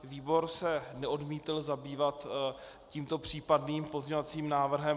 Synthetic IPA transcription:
viːbo̞ɾsɛnɛo̞dmiːt̪ɪlzabiːvat̪ | ciːmt̪o̞pr̝̥iːpadniːmpozɲovat͡siːmnaːvr̩ɦɛ

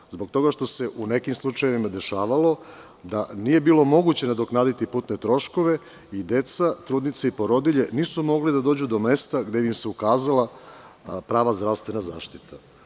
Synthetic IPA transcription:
zbo̞ɡ̚t̪o̞ɡaʃt̪o̞se̞ʔune̞kimslˠut͡ʃajeʋimad̪e̞ʃaːʋalo̞ | d̪anije̞biːlˠo̞mo̞ɡut͡ɕe̞nad̪oknaːd̪it̪ipuːt̪ne̞t̪ɾo̞ʃko̞ʋe̞ | id̪e̞t̪sat̪ɾuːd̪nit̪seipo̞ɾo̞d̪iʎe̞niːsumo̞ɡlid̪ad̪o̞ːd͡ʑud̪o̞me̞st̪aɡd̪eimseukaːzalˠa | pɾaːʋazd̪ɾaʋst̪ʋe̞naza̰ːʃt̪it̪ʰa

